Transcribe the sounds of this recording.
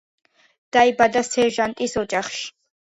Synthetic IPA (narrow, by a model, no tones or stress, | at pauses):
d̪̥aibad̪asɛɾʒant̪ʼisɔd͡ʒaχʃi̥